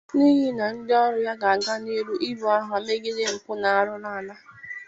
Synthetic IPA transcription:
ni˦ɦi˦na˨n̩˦dɪ˦ɔ˦ɾʊ˨ja˦ɡa˨a˨ɡa˦ni˦ɾu˦ʔi˦ɾu˨a˦ɦʊ˨a˨˦me˦ɡɪ˦zɪ˦m̩˨pʊ˦na˨a˨ɾʊ˦ɾa˦a˨na˦

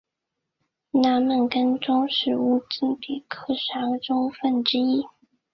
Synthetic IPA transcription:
na˧˥nmə˨˩nkə˥nʈ͡ʂʊ˥ŋʂɻ̩˥˩u˥˩t͡si˥˩npi˨˩kʰɤ˥ʂɑ˧˥ŋʈ͡ʂʊ˥ŋfə˥˩nʈ͡ʂɻ̩˥i˥

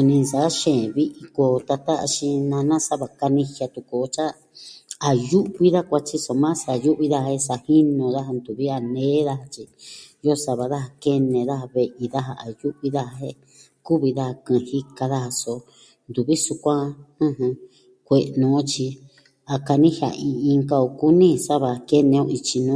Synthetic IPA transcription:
u˧nĩ˧nsa˨˦ʃẽ˨βi˦ʔi˧ko˧t̪a˧t̪a˦a̰˧ʃĩ˧nã˧nã˦sa˦βa˧ka˧nĩ˧hja˧t̪u˧ko˧t͡ʃa˦ | a˨ju˦ʔβi˦ða˦kʷa˧t͡ʃi˧so˧˨mã˦sa˧˨ju˦ʔβi˧ða˦hhe˧sa˧hi˦nõ˧ða˦ɦa˧nd̪u˨βi˦a˧nẽː˦ða˦ha˧t͡ʃi˧jo˦sa˧βa˨ða˦ha˧ke˦nẽ˧˨ða˦ha˧βe˧ʔi˧ða˦ɦa˧a˨ju˦ʔβi˦ða˦ha˧ɦe˦ | ku˦βi˧ða˦ha˧kɨ̃˧hi˦ka˧ða˦ha˧so˧ | nd̪u˨βi˦su˧kʷã˦ɨ̃˦ɦɨ̃˧ | kʷe˧nũ˨˦t͡ʃi˧ | a˧ka˧nĩ˦hja̰˧ʔĩ˧ĩ˧ŋka˦o˧ku˦nĩ˦˧sa˦βa˧ke˦nẽ˧õ˦˧i˧t͡ʃi˧nũ˦

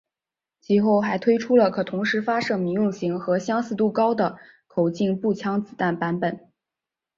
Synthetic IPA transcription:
t͡ɕʰi˥˧xo˥˩ʊxa˧˥ɪt̪ʰwe˥ɪʈ͡ʂʰu˥lə˨kʰɤ˨˩t̪ʰʊ˧˥ŋʂɻ̩˧˥fa˥ʂɤ˥˩mi˧˥ŋjʊ˥˩ŋɕi˧˥ŋxɤ˧˥ɕjɑ˥ŋsɹ̩˥˧t̪u˥˩kɑ˥ʊd̪ə˨˩ | kʰo˨˩ʊt͡ɕi˥˧ŋpu˥˩t͡ɕʰjɑ˥ŋt͡sɹ̩˨˩t̪a˥˩npa˧˥npə˨˩˦n

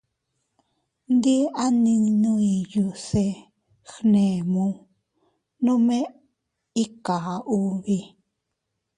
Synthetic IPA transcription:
nd̪i˦a˦nĩ˧nũ˦ĩ˧ju˧se˧ | xnẽ˨mũ˦ | nũ˦mẽ˦ | i˦ka˨a˨ʔu˦βi˧

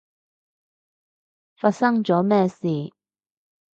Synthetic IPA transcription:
faː˧t̚sɐ˥ŋt͡sɔː˨˥mɛː˥˧siː˨˩

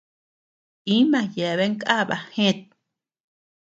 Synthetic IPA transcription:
i˦mã˧je˨βe˦ŋkʔa˦βa̰˧hẽ˦˨t̪̚

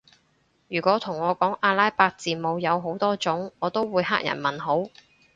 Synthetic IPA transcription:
jyː˨˩kʷɔː˨˥t̪ʰʊ˨˩ŋɔː˨˧kɔː˨˥ŋʔaː˧laː˥jpaː˧k̚t͡siː˨˩mo˨˧wjɐ˨˧wɦo˨˥wt̪ɔː˥t͡sʊ˨˥ŋɔː˨˧t̪o˥wwuː˨˧jha̰ː˥k̚jɐ̰˨˩nmɐ˨˩nɦo˨˥w

